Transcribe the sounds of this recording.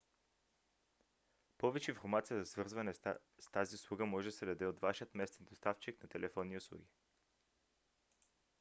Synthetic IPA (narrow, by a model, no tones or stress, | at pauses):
pɔvɛt͡ʃɛinfoɾmat̪sijəzɐsvɤɾzvɐnɛst̪aziʊslˠuɡəmɔʒɛsɛd̪ɐd̪ɛot̪vaʃiət̪mɛst̪ɛnd̪ost̪aft͡ʃiknɐt̪ɛlɛfɔnːiʊslˠṵɡʲi